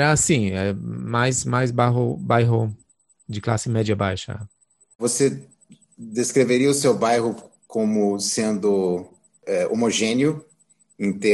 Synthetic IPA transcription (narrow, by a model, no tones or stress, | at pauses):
ɐasĩɛ̰majzmajzbaɦʊbajɦʊ | d͡ʒɪklasɪmɛd͡ʒɐbajʃɐ̰ | vose | d̪eskɾeveɾiɐʊsewbajɦʊ | kõmʊsẽnd̪ʊ | ɛomoʒẽniʊ | ĩt̪e